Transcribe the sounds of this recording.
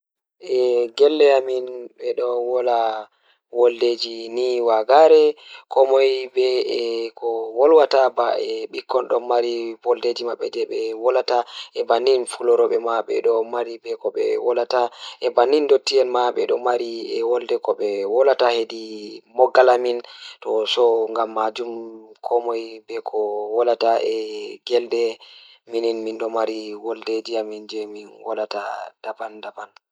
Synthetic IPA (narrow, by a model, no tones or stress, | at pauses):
ʔɛɡɛlːɛaminɓɛɗɔwɔla | wɔlded͡ʒiniwaɡaɾɛkɔmɔjbɛɛkʰɔwɔlwatabaɛɓikːɔnɗɔmaɾiwɔlded͡ʒimaɓːɛ̰d͡ʒɛɓɛwɔlataʔɛbanːinfulɔɾɔɓɛmaɓɛ̰ɗɔmaɾibɛkɔɓɛ̰wɔlataʔɛbanindotːiɛnmaɓɛɗɔmaɾiɛwɔldɛkɔɓɛwɔlatahedimɔɡːalamintɔsɔŋɡamːad͡ʒumkʰɔmɔjbɛkʰɔwɔlataʔɛɡɛldɛ | mininmindɔmaɾiwɔlded͡ʒiamind͡ʒɛminwɔ̰latad̥abandaban